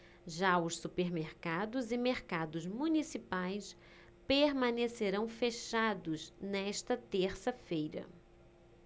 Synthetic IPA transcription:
ʒaʊssupeɾmeɾkad̪ʊzɪmeɾkad̪ʊzmunisipajs | peɾmɐ̃neseɾɐ̃w̃feʃad̪ʊznɛʃt̪ɐt̪eɾsɐfejɾɐ̰

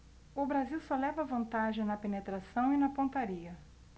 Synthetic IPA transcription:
ʊbɾaziwsɔlɛvɐvɐ̃nt̪aʒẽj̃nɐpenet̪ɾasɐ̃w̃inɐpõnt̪aɾiɐ

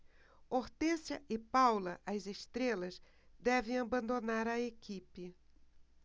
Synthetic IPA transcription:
oɾt̪esjɐʔɪpawlɐʔɐzest̪ɾelɐz | d̪ɛvẽj̃abɐ̃nd̪onaɾɐekipɪ

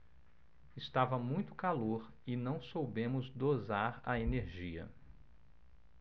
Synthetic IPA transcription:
ɪst̪avɐmũj̃t̪ʊ̥kaloɾ | ɪnɐ̃w̃sowbẽmʊzd̪ozaɾɐeneɾʒiɐ̰

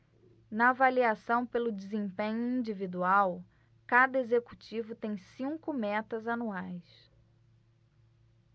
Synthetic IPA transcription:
nɐːvaliasɐ̃w̃pelʊd͡ʒizẽpẽɲʊĩd͡ʒivid̪uaw | kad̪ɐezekut͡ʃivʊt̪ẽj̃sĩŋkʊmɛt̪ɐzanuajs

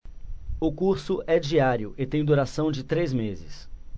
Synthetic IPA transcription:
ʊkuɾsʊʔɛd͡ʒiaɾjʊʔɪt̪ẽj̃d̪uɾasɐ̃w̃d͡ʒɪt̪ɾezmezɪ̰s

